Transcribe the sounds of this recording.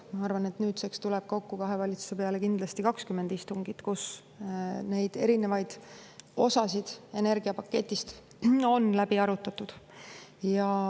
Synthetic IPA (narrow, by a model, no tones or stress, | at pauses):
mɑɑrvɑne̞t̪nyːt̪sekst̪ulɛb̥̚ko̞kːukɑɦe̞vɑlʲit̪su̥se̞pe̞ɑle̞kind̪̥lɑst̪ikɑkskymːe̞nd̪̥ist̪uŋɡ̥it̪kus | ne̞jd̪̥e̞̰ɾine̞vɑjd̪̥o̞sɑsid̪̥e̞ne̞rɡ̥iɑpɑkːe̞t̪ʲːˑist̪ | o̞nlæbiɑɾut̪ːˑɑt̪ˑud̪̥jɑ